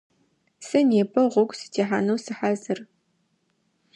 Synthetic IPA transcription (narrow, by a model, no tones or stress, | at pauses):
sɐneːpʰɐʁʷʊɡʷsɨ̥tʰeːħanɐwsɨħazɨr